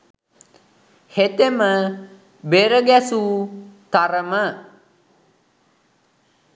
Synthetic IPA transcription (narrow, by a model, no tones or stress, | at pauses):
het̪emə | beɾəɡæsut̪aɾəmə